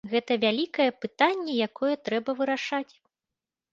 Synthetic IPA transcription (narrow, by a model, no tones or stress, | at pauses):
ɣɛt̪ɐvʲalʲikɐjɛpɨt̪anʲːɛjakʰɔjɛt̪ɾɛbɐvɨɾaʂat͡sʲ